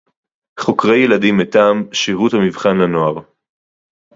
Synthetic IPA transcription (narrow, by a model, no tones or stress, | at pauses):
χo̞kʁe̞jeladimetaːmʃiʁuthamivχanlano̞aʁ